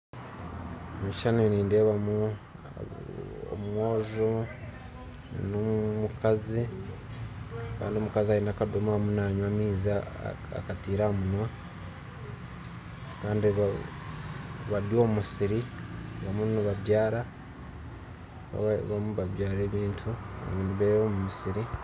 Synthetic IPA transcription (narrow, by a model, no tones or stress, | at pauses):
miʃaneniːndeβamu | o̰mwoːzo | numukazi | ka̰ːndiomukaziaiːnaːkadomamunaːɲwaːmiːza̰ː | katiːɾamunwa | kaːndiβ | βadjo̞ːmumusiɾiβamuniβaβjaːɾa | a̰βamuβaβjaːɾe̞ːβiːntʰua̰βiːnduβeβomumisiɾi